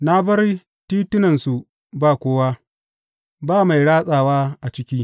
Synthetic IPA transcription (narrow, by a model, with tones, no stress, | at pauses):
na˦bɐ˦r | tiː˦tʊ˦nɐ˨nsu˨ | baː˦kʷoː˦waː˦ | baː˦˨ma˨jɽaː˦sʼaː˨waː˦ʔa˨t͡ʃɪ˦kʲiː˦